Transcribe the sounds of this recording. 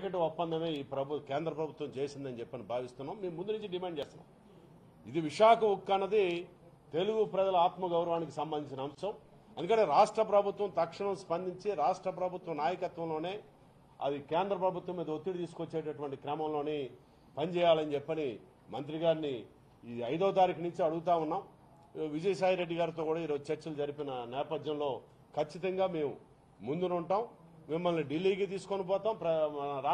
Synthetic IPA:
kɐʈiopːɐnd̪ʱɐme̞ːiːpɾɐbukeːnd̪ɾɐpɾɐbʱut̪ʋɐmt͡ʃeːjsind̪ɐnit͡ʃɛpːɐnibʱaːʋist̪unːaːmːeːmːund̪unuɲt͡ʃiɖimaːɳt͡ʃeːst̪una̰ːm | id̪iʋiʂaːkɐukːɐnːɐd̪i | t̪e̞luɡupɾɐd͡ʒɐlɐaːt̪mɐɡɐwɾɐʋaːnikisɐmbɐnd̪iɲt͡ʃinɐːmsɐm | eɐnd̪ukɐɳʈeːɾaːʂʈɾɐpɾɐbʱut̪ʋɐmt̪ɐkʂɐɳɐmspɐnd̪ʱiɲt͡ʃiɾaːʂʈɾɐpɾɐbʱut̪ʋɐmnaːjɐkɐt̪ʋɐmlo̞ːne̞ː | ɐ̰d̪ikeːnd̪ɾɐpɾɐbʱut̪ʋɐmːiːd̪ɐot̪ːiɽt̪iːs̬u̥ko̞t͡ʃːeːʈɐʈuʋɐɳʈikɾɛmɐmlo̞ːneː | pɐnd͡ʒɛːjaːlɐnd͡ʒɛpːɐni | mɐnt̪ɾiɡaːɾniː | ɐjd̪ɐʋɐt̪aːɾikɐnuɲt͡ʃiɐɽuɡut̪̬aːunːaːm | ʋid͡ʒɐjɐsaːjɾe̞ɖːiɡaːɾit̪̬oːkuːɽaːiːɾo̞ːd͡ʒut͡ʃɐɾt͡ʃɐlud͡ʒɐɾipinɐnɛːpɐd̪jɐmlo̞ː | kʰɐt͡ʃːit̪ɐŋɡaːme̞ːmu | mund̪unuɳʈaːmmimːɐlniɖilːiːɡit̪̬iːsu̥konip̬ɔːt̪aːmpɾɐɾa

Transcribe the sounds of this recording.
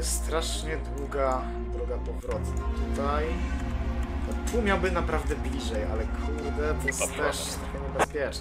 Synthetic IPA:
st̪ɾaʂɲɛd̪wuɡa | d̪ɾuɡapɔvɾɔt̪nat̪ut̪aj | ɔt̪umʲjawbɘnapɾavd̪ɛblʲiʐɛja̰lɛkʰɾuɾd̪ɛvɛst̪ɛʂt̪ɾaxɛɲɛbɛspʲjɛt͡ʂ

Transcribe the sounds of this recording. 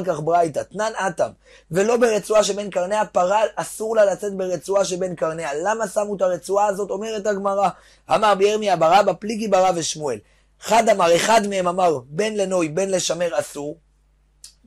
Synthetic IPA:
lk̬aχbʁajtat̪nanatam | ve̞lo̞be̞ʁet͡suaʃebe̞nkaʁneapaʁalasuʁlalat͡se̞t̚be̞ʁet͡suaʃelbe̞nkaʁnealamasamutaʁet͡suaːzo̞to̞me̞ʁe̞taɡmaʁa | a̰maʁbejeʁmiabaʁabapliɡibaʁaveʃmue̞l | χad̪amaʁe̞χad̪meemamaʁbe̞nle̞no̞jbe̞nle̞ʃame̞ʁasuʁ

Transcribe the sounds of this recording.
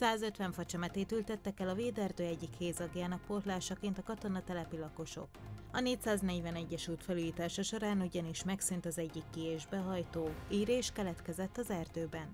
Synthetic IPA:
saːzø̞t̪ʋɛɱfɒt͡ʃɛmɛt̪eːt̪ylt̪ɛt̪ːɛkɛlɒveːd̪ɛrd̪øːɛɟːikheːzɒɡjaːnɒk̚po̞rt̪laːʃɒkeːnt̪ɒkɒt̪o̞nɒt̪ɛlɛpilɒko̞ʃo̞̰kɒneːcsaːznɛɟvɛnɛɟːɛʃuːt̪fɛlujit̪aːʃɒʃo̞ɾaːnuɟɒniʃmɛksynt̪ɒzɛɟːikːieːʒbɛɦɒjt̪oːiːɾeːʃkɛlɛt̪kɛzɛt̪ːɒzɛrd̪øːbɛn

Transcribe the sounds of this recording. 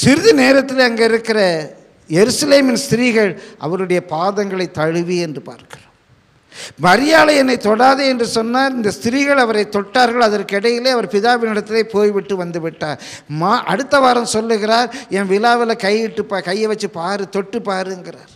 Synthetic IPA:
sɪɾɯðɯneːɾɐt̪ːɪleɐŋɡeɪɾɯkːɪrɐ | jɛɾɯsɐleːmɪnst̪ɪɾiːɣɐɭʔɐ̰ʋɐɾɯɽɐjɐpaːðɐŋɡɐɭɐɪt̪ːɐɻɯʋiɛndrɯpa̰ːɾkɪroːm | mɐɾɪjaːlɐɛnːɐɪt̪ɔɽaːðɯɛndrɯsɔnːaːɾɪnd̪ɐst̪ɪɾiɣɐɭɐʋɐɾɐɪt̪ːɔʈːaːɾɣɐɭɐðɐɾkɯɛɽɐjɪleːɐʋɐɾpɪðaːʋɪnɪɽɐt̪ːɪleɪpoːjʋɪʈːɯʋɐnd̪ɯʋɪʈːaːɾ | maʔɐ̰ɽɯt̪ːɐʋaːɾɐmsɔlːɯɣɪɾaːɾɛnʋɪlaːʋɪlɐkɐjɪʈːɯpːakɐjːɐʋɐt͡ʃːɯpaːɾɯt̪ɔʈːɯpːaːɾɯɛŋɡɪraːɾ

